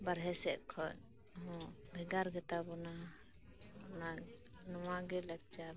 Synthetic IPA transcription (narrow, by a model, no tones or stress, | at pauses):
baɾɦɛsɛʔkʰɔɲ | ɦɔ̃bʱɛɡaɾɡɛt̪abɔna | na | nɔmaɡɛləɡ̚t͡ʃa